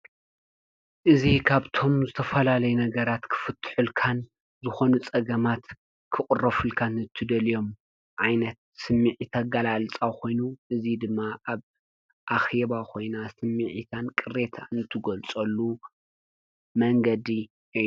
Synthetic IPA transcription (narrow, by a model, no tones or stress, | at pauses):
ʔɨzikʰaβt̪ʰo̞mzɨt̪ʰɐfɐlalɐjunɐɡɐɾat̪kʰɨ̥fɨt̪ʰːħulkʰan | zɨxo̞nut͡sʼɐɡɐmat̪ | kʰɨkʼʊrːɐfɨlkʰanɨt̪ʰɨd̪ɐlijo̞m | ʕajnɐt̪̚sɨmːiʕit̪ʰaɡalalt͡sʼawkʰo̞jnuʔɨzid̪ɨmːaʔaβ | ʔaxeβakʰo̞jnasɨmːiʕit̪ʰankʼɨɾet̪ʰant̪ʰɨɡolt͡sʼɐlːu | mɐŋɡɐd̪i